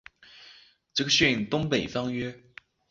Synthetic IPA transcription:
ʈ͡ʂɤ˥˩ɡə˨˩ɕɥɛ˥˧i˥˩ŋt̪ʊ˥ŋpe˨˩ɪfɑ˥ŋɥɛ˥

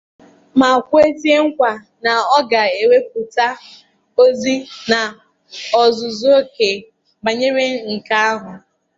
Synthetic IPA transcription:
ma˨kʷe˦tje˦ŋ̩˦kʷa˨ | na˨ɔ˦ɡa˨e˨we˦k̚ʊ˨ta˦ | o˦zi˦na˨ | ɔ˨zʊ˨zo˦ke˨ | ba˨ɲe˦ɾe˦ŋ̩˨ka˦a˦ɦʊ˨

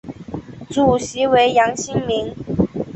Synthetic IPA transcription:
t͡su˨˩ɕi˨˥we˧˥ɪjɑ˧˥ŋɕi˥ŋmi˧˦ŋ

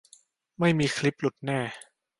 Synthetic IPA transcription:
ma˥˩jmiː˧kʰli˦˥p̚lu˨˩t̪̚nɛː˥˩

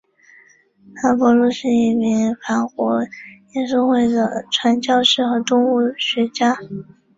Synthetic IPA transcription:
la˧˥pwɔ˧˥lu˥˧ʂɻ̩˥˧i˥˩mi˧˥ŋfa˧˥nkwɔ˧˥jɛ˥nʂ̬o˥˧xwe˥˩ɪd̪ə˩ʈ͡ʂʰwa˧˥nt͡ɕjɑ˥˧ʊʂɻ̩˥˩xɤ˧˥t̪ʊ˥ŋu˥˩ɕɥɛ˧˥t͡ɕja˥

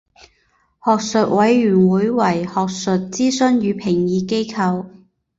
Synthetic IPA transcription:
hɔː˨k̚sɵ˨t̚wɐ˨˧jːyː˨˩nwuː˨˥jwɐ˨˩jhɔː˨k̚sɵ˨t̚t͡siː˥sɵ˥nɥyː˨˧pʰɪ˨˩ŋjiː˨˧ke˥jkʰɐ˧w

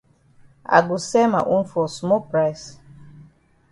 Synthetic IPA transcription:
a̰˨ɡu˨sɛ˦ma̰˨ʔu˦n˦fɔ˨smɔ˦pɾa˦js

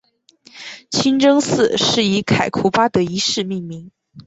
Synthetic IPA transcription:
t͡ɕʰi˥nʈ͡ʂɤ˥ŋsɹ̩˥˩ʂɻ̩˥˩i˧˥kʰa˨˩ɪkʰu˧˥pa˥d̪ə˧˦i˧˥ʂɻ̩˥˧mi˥˩ŋmi˧˥ŋ

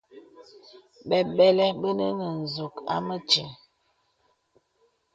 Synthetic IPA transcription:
ɓɛ˨ɓɛ˦lɛ˦ɓə˦nə˦nə˨n˨zu˨ka̰˦mə˦t͡ʃi˨

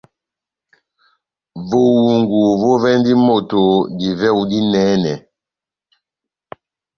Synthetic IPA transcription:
vo˦wu˨ŋɡu˨vo˦vɛ˦n˦di˦mo˦˨to˨di˨vɛ˦˨u˦di˦nɛː˨˦nɛ˨

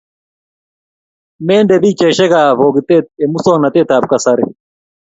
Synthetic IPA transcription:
mɛː˦ndɛ˨bi˦t͡ʃɛ˨ʃɛ˦ɣa˨vɔ˨ɡit̪ɛ˦t̪̚ɛ˨mu˦sɔ˦ŋna˨t̪ɛ˦t̪a˨b̚kasaɾɛ

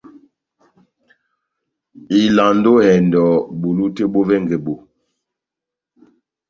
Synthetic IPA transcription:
i˨la˨ndo˦hɛ˨ndɔ˨bu˨lu˦te˦ɓo˦vɛ˦ŋɡe˨bo˨

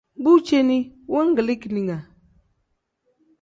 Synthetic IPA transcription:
bu˦t͡ʃe˦ni˦wo˦ŋ˦ɡə˨li˦ki˨ni˨ŋa˨

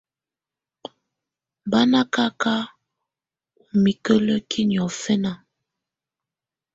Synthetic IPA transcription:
ba˦na˦ka˦ka˦ | u˨mi˨kə˦lə˦kʰi˦n˨ɔ˨fɛ˦na˦˨

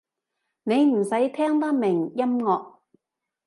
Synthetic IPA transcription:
ne˨˧jm̩˨˩sɐ˨˥jt̪ʰɛː˥ŋt̪ɐ˥k̚mɪ˨˩ŋjɐ˥mŋɔː˧k̚

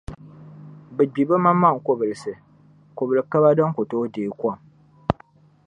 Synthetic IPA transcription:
bɛ˨ɡ͡bi˨ba˦ma˦mːa˦˨ŋ̩˨ko˦bɨ˨lɨ˨sɨ˨ | ko˨bɨ˨lɨ˨ka˦ba˦dɔ˦ŋko˨toː˦deː˨˦kʷɔ˦˨m

